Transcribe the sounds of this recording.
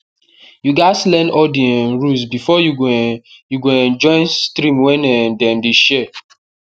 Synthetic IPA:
juɡatlɛ̃nɔdiɛ̃nɹusbifɔjuɡjuɡoɛ̃nd͡ʒɔ̃ɪ̃nstɾĩmwɛ̃nɛ̃ndɛ̃ndeʃɛ

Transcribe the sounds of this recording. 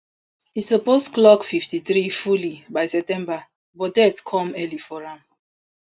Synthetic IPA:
hisɔpostklɔkfiftiθɾifulibajsɛp̚tɛ̃mba | bɔdɛtkʰɔ̃mɛlifɔɹãn

